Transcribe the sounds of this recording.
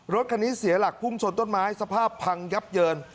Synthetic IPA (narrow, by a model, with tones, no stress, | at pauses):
ɾo˦˥t̪̚kʰa˧ni˦˥si˨˩˦ɐla˨˩k̚pʰu˥˩mt͡ɕʰo˧nt̪o˥˩nmaː˦˥jsa˧pʰaː˥˩pʰːa˧ŋja˦˥p̚jɤː˧n